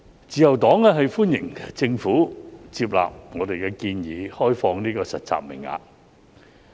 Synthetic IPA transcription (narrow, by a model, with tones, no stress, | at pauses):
t͡siː˨jɐ˨˩wt̪ɔː˨˥ŋɛ˧ɦɐ˨jfuː˥njɪ˨˩ŋt͡sɪ˧ŋfuː˨˥t͡siː˧p̬̚la̰ː˨p̚ŋɔː˨˧d̪e˨jkɛː˧kiː˧njiː˨˧˦hɔː˥jfɔː˧ŋniː˥kɔː˧sɐ˨t̚t͡sa̰ː˧k̚mɪ̰˨˩ŋa̰ː˧k̚